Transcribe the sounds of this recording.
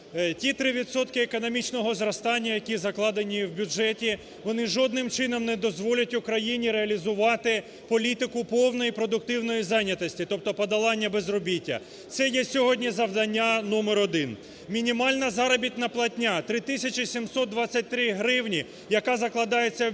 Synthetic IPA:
tʲit̪ɾɪʋʲit̪sɔt̪kɪekɔnɔmʲit͡ʃnɔɦɔzɾɐst̪ɑnʲːɐjɐkʲizɐklˠɑd̪enʲiwbʲʊd͡ʒɛtʲi | ʋɔnɪʒɔd̪nɪmt͡ʃɪnɔmnɛd̪ɔzʋɔlʲɐtʲʊkɾɐjinʲiɾeɐlʲizʊʋɑt̪ɪ | pɔlʲit̪ɪkʊpɔwnɔjipɾɔd̪ʊk̚t̪ɪwnɔjizɑjnʲːɐt̪ɔsʲtʲit̪ɔp̚t̪ɔpɔd̪ɐlˠɑnʲːɐbezrɔbʲitʲːɐ̰ | t̪sɛjɛsʲɔɦɔdʲnʲizɐwd̪ɐnʲːanɔmɛɾɔd̪ɪn | mʲinʲimɑlʲnɐzɑɾɐɔbʲit̪̚ʲnɐplˠɐtʲnʲat̪ɾɪt̪ɪsʲɐt͡ʃisʲimsɔt̪̚d̪ʋɑt͡sʲːɐt̚ʲt̪ɾɪɦɾɪwnʲi | jɐkɑzɐklˠɐd̪ɑjet͡sʲːɐ

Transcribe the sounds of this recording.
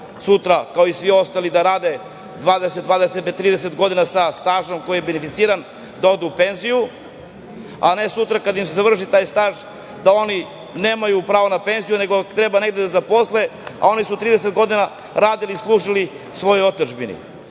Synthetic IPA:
sut̪ɾakaoisvʋio̞st̪alid̪aɾaːd̪e̞ | d̪ʋaːd̪eset̪̚d̪vaːd̪eset̪̚bet̪ːɾiːd̪eset̪ɡo̞d̪inasast̪aːʒo̞mko̞jijebenefit̪siːɾan | d̪ao̞d̪uːpe̞nziju | a̰ne̞sut̪ɾakad̪aimsezaʋr̩ʃ̬it̪aːjst̪aːʒ | d̪ao̞ni | neːmajupɾaːʋonape̞nzijune̞ɡo̞t̪ɾebane̞ɡd̪ed̪azapo̞slea̰o̞nisut̪ɾiːd̪eset̪ɡo̞d̪ina | ɾaːd̪iliːslˠuːʒili | sʋo̞joo̞t̪oʒbinḭ

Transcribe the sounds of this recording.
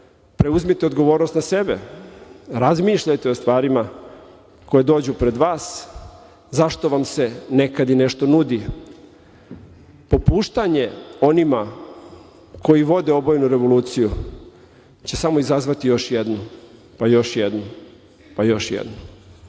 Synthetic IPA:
pɾe̞uzmit̪eo̞d̪ɡo̞ʋo̞ːɾno̞st̪nase̞bḛ | ɾazmiːʃʎajt̪eost̪ʋaːɾima | ko̞jed̪o̞ːd͡ʑupɾe̞d̪ʋaːs | zaʃt̪o̞ʋamse̞ne̞kad̪ine̞ʃt̪o̞nud̪i | po̞puːʃt̪aɲe̞o̞nima | kʰo̞jiʋo̞d̪e̞o̞bojnuɾe̞ʋo̞luːt̪siju | t͡ɕe̞samoizazʋat̪ijo̞ʃjed̪nu | pajo̞ʃjed̪nu | pajo̞ʃjḛd̪nu

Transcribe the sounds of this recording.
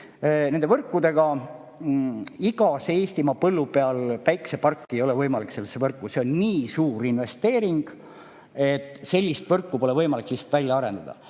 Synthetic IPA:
nend̪evɤrkːˑud̪e̞ɡ̥ɑ | iɡ̥ɑseeːst̪imɑpɤlːupeɑlpæjksepɑrkːie̞jo̞levɤjmɑlikselːesːevɤrkːˑuseonniːsuːɾinve̞st̪e̞ːɾiŋɡ̥ | e̞t̪ˑːse̞lʲːist̪vɤrkːupo̞le̞vɤjmɑliklisːe̥t̪vælʲjɑɑɾe̞nd̪̥ɑd̪̥ɑ̰

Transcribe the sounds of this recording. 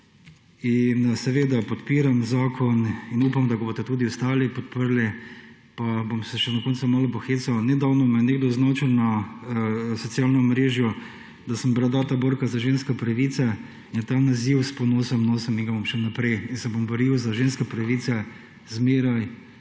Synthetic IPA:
insɛʋeːd̪apɔt̪piːɾamzaːkʰɔninuːpamd̪aɡabot̪ɛt̪uːd̪iʊst̪aːlipɔt̪̚pəɾlɛ | pabomsɛʃɛd̪ɔkɔnsʊmalpɔxeːsawnɛd̪awnɔmɛneːɡd̪ɔznɔt͡ʃɛwna | sɔt̪sjaːlnɔmɾeːʒjɔ | d̪asəmbɾad̪at̪aboɾkazaʒenskɛpɾɐʋit̪sɛ | int̪anaziwspɔnoːsəmnoːsɐmiŋɡabomʃɛnapɾɛjinsɛbombɔɾiwzaʒenskɛpɾaʋit̪sɛ | zmeːɾaj

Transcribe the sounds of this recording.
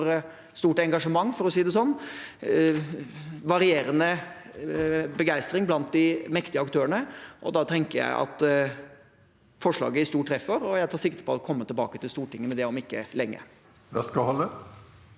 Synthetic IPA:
ɾ | st̪uːʈɛŋɡɑʂəmɑŋːfɔɾɔsiːd̪ɛsɔnː | ʋɑɾɪeːɾənə | bəɡæɪst̪ɾɪŋblɑnt̪̚d̪ɪmɛkt̪ɪəɑkt̪ʰøːəɳəʔɔd̪ɑt̪ʰɛŋkəɾjæ̰ɪʔɑ̰t̪ | fɔʂɭɑ̰ːɡəɪst̪uːʈʰːɾɛfəɾɔjæɪt̪ʰɑːɾʂɪkt̪əpʰɔɔkʰɔmːət̪ɪlbɑ̰ːkət̪ɪlst̪uːʈʰɪŋːəmɛd̪ɛɔmɪkːəlɛŋːə̰ | ʋɛ̰skɑhɔlːə

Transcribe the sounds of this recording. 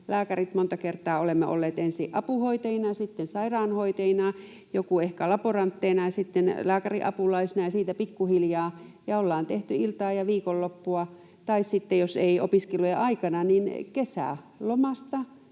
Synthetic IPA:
læːkærit̪mont̪ɑkert̪ˑɑːolemːeʔo̰lːeːt̪ensiʔʔɑpuhoit̪einɑɑsit̪ːensɑirɑːnhoit̪einɑ | jokuehkælɑporɑnt̪ːeːnɑjɑsit̪ːenlæːkærḭʔɑ̰pulɑisinɑjɑsiːt̪æpikːuhiljɑːjɑolːɑːnt̪eht̪yilt̪ɑːjɑʋiːkolːopːuɑ | t̪ɑissit̪ːejoseio̰piskelojɑʔɑikɑnɑninkesæ̰ˑ | lomɑst̪ɑ

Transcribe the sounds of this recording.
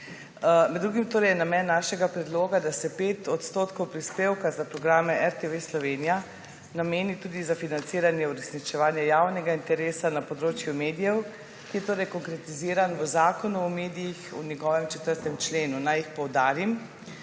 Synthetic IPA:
mɛd̪dːɾuːɡimt̪oːɾɛjnamɛːnːaːʃɛɡapɾɛd̪loːɡad̪asɛpeːt̪ɔt̪st̪oːt̪kowpɾispeːwkazapɾɔɡɾaːmɛʔɛɾt̪eʋeslɔʋeːnija | nameːnit̪uːd̪izafinant̪siːɾanjɛuɾɛsnit͡ʃɛʋaːnjɛjawnɛɡaint̪ɛɾeːsanapɔd̪ɾoːt͡ʃjumeːd̪ijɛw | kijɛt̪oːɾɛjkɔŋkɾɛt̪iziːɾanɔzaːkɔnuɔmeːd̪ijixṵnjɛɡɔʋɛmt͡ʃɛt̪əɾt̪ɛmt͡ʃleːnunajixpɔwd̪aːɾim

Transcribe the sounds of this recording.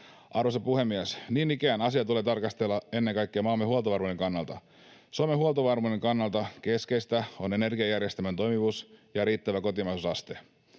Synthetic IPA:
ʔɑɾosɑpuhe̞mːiæsniːnikæːnɑsiɑt̪uleːt̪ɑrkɑst̪elːɑe̞nːeŋkɑjkːeɑmɑːlmeɦuolt̪oʋɑrmuneŋkɑnːɑlt̪ɑ̰ | someɦuolt̪oʋɑrmuneŋkɑnːɑlt̪ɑke̞skest̪æo̞ne̞ne̞rɡiɑjærje̞st̪ement̪o̞jmiʋusjɑɾiːt̪ːæʋæko̞t̪imɑisusɑst̪e

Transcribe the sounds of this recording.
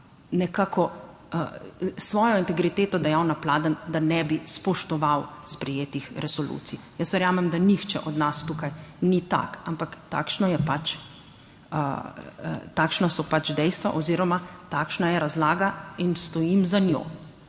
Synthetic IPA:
nɛkaːkʰɔ | sʋɔːjɔint̪ɛɡɾit̪eːt̪ɔd̪ajawnaplaːd̪ənd̪anɛbispɔʃt̪ɔʋawspɾɛjeːt̪ixɾʔɛsɔlṵːt̪sijəsʋɛɾjaːmɛmd̪anixt͡ʃɛ̰ʔɔd̪nast̪uːkajnit̪a̰kampakt̪a̰ːkʃnɔjɛpat͡ʃ | ə | t̪aːkʃnasɔpat͡ʃd̪ɛjst̪ʋa̰ʔɔziːɾɔmat̪aːkʃnajɛɾazlaːɡainst̪ɔjimzanjo̰ː

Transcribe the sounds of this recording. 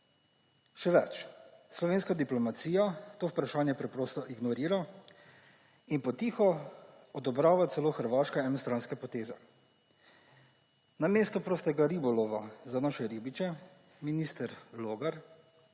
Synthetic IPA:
ʃɛʋɛt͡ʃslɔʋeːnskad̪iplɔmat̪siːjat̪oːwpɾaʃaːnjɛpɾɛpɾoːst̪ɔʔiɡnɔɾiːɾa | inpɔt̪iːxɔ | ɔd̪ɔbɾaːʋat̪sɛloːxəɾʋaːʃkɛɛnɔst̪ɾanskɛpɔt̪eːzɛ | nameːst̪ɔpɾoːst̪ɛɡaɾibɔlɔʋazanaʃɛɾibit͡ʃɛ | miniːst̪ɛɾloːɡaɾ

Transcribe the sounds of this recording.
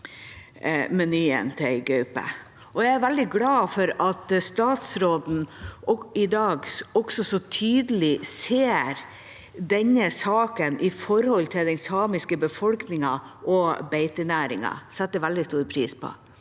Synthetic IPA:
mɛnyːə̰nt̪ʰɛɪɡʉʉpə̰ | ʔɔjæɪæɾʋæld̪ɪɡlɑːfɔɾɑt̪st̪ɑːt̪sɾoːd̪n̩ | ɪd̪ɑːɡɔɡsɔsɔt̪ʰyːd̪əlɪseːɾ | d̪ɛɲəsɑːkənʔɪfɔɾhɔlt̪ʰɪld̪ɛnsɑːmɪskəbəfɔlknɪŋɑʔɔbeɪt̪ənæːɾɪŋɑ̰sɛt̪ːəʋæld̪ɪst̪uːɾpʰɾiːspʰɔ̰

